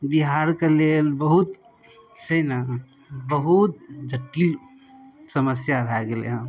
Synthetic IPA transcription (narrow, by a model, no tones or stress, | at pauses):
d̪iɦaːɾkalelbəɦut̪ | səna | bəɦut̪̚d͡ʒʱəʈːil | səməsjaɾʱaɡelḛɦə̃